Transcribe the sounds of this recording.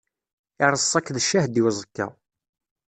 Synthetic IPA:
ɪɾˤəsˤːɑkːðəʃːæhd̪iwzˤəkːɑ̰

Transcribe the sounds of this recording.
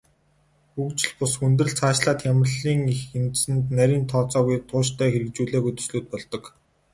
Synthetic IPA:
xukt͡ɕɪ̆ɮpʊsxunt̪̬rɘ̆ɮt͡sʰaːʃɮaːt̪jamə̆rɮiːŋixensɘ̆nt̪næɾʲiːnt̪ʰɔːt͡sɔːɣujt̪ʰʊːʃt̪ʰœːxeɾɘ̆k̚t͡ɕuːɮeːɣujt̪ɵ̥̆sɮuːt̪̚pɔɮt̪ɞ̆k

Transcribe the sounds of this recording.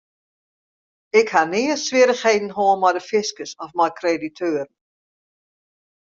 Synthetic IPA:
ɪkhanɪəsʋɪəɾəxhejdn̩ɦoːənmɔjdəfɪskəsɔfmɔjkreditʰøːrn̩

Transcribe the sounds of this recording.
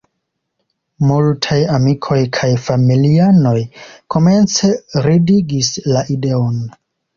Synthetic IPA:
multʰajamikʰo̞jkʰajfamiliano̞jkʰo̞me̞nt͡se̞ɾidiɡislaʔide̞on

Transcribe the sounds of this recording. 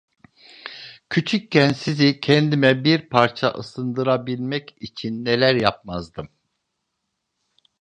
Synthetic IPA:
cʰyt͡ʃʰyc̚ːænsizicʰɛnd̪imɛbiɾpʰaɾt͡ʃʰa̰ʔɯsɯnd̪ɯɾabilʲmɛcit͡ʃʰinːelʲæɾjap̚mazd̪ɯm

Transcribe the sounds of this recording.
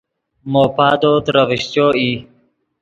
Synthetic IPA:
moːpaːd̪oːt̪ɾəʋiɕt͡ɕoːiː

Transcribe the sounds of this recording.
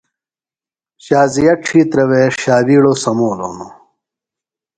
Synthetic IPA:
ɕaːzijɐʈ͡ʂʰiːt̪ɾɐweːɕaːbiːɽoːsɐmoːlo̰ːno

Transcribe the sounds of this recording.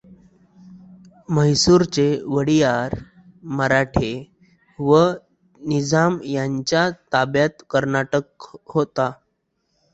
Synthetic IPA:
məjsuɾt͡seʋəɽijaɾ | məɾaʈʰe | ʋə | nid͡zamjaɲt͡ɕjat̪abjat̪kəɾnaʈək̚ɦot̪a

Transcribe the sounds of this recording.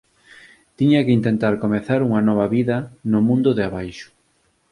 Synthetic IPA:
t̪iɲɐkɪint̪ent̪aɾkomeθaɾuŋɐnɔβ̞ɐβiðɐnʊmũnd̪ʊðeaβajʃʊ̥

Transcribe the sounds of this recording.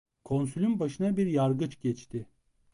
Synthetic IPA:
kʰo̞nsylʲymbaʃɯnabiɾjaɾɡɯt͡ʃɟɛt͡ʃt̪ʰɪ

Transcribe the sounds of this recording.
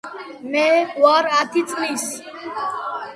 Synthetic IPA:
mẽʋaːɾaːt̪ʰit͡sʰliːs

